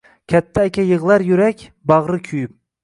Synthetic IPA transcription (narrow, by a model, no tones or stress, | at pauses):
kʲʰɛt̪ʰːæːkʲɛjɨʁlˠæɾjyɾɛkʲ | bɑʁɾɨkʲʰyjyp̚